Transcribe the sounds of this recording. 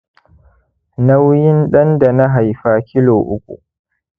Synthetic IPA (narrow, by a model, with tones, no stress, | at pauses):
na˦wjɪ˦nɗɐ˦nda˨na˦ɦa˨jɸaː˦kʲɪ˦loː˨ʔʊ̰˦kʷʼṵ˨